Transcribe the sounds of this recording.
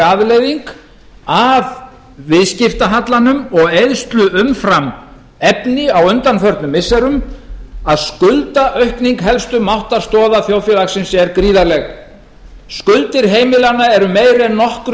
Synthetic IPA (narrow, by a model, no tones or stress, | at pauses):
aðlejðiŋk | av | vɪðscɪft̪aɦat̪lanʏmɔɣejðst̪lʏʔʏmfɾam | ɛpnɪawʏnt̪anfœɾt̪nʏmɪsɛɾʏmaðskʏlt̪aʔœɥhkniŋkɦɛlst̪ʏmawht̪aɾ̥st̪ɔːðaθjoːwfjɛlaxsɪmsɛɾkɾiːðalɛɣ | skʏlt̪ɪɾ̥ɦeːjmɪlanːaɛɾʏmeːjɾɪɛnːɔhkɾ